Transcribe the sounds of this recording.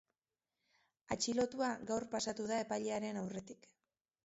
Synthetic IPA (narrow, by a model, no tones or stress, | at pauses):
at͡ʃilo̞t̪uaɡawrpasat̪uðae̞pajʎe̞aɾe̞nawre̞t̪ik